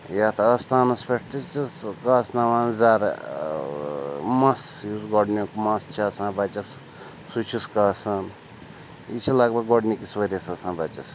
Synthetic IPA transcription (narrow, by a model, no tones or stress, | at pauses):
jat̪ʰɐst̪aːnɐspeʈt̪it͡ʃiskaːsnaʋaːnzaːɾ | mɐsjuzɡɔɖnʲokumɐst͡ʃʰasãːbat͡ʃɐs | sut͡ʃʰiskaːsɐn | it͡ʃʰilaɡbɐɡɔɖnikisʋɐɾʲɐsasãːbɐt͡ʃɐs